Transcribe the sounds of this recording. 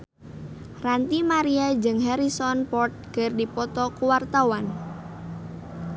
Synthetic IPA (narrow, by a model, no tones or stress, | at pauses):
rant̪imaɾiad͡ʒɨŋɦɛɾisɔnpɔrt̪̚ɡ̥ərdipɔt̪ɔkuwart̪awan